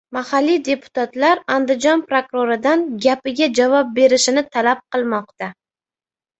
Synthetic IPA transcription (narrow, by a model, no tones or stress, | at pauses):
mahalːid̪e̞pʰʊ̥t̪ʰat̪laɾand̪ɪd͡ʒɒnpɾokʊɾoɾɪd̪anɡʲapɪɡʲad͡ʒavɒp̚be̞ɾɪʃɪnɪt̪ʰalap̚qʰɨlˠmɒqt̪a